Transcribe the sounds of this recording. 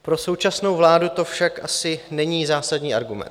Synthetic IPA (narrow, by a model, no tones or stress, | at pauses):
pɾo̞so̞wt͡ʃasno̞wvlaːdut̪o̞fʃakʔasɪnɛɲiːzaːsadɲiːʔa̰ɾɡumɛ̰nt̪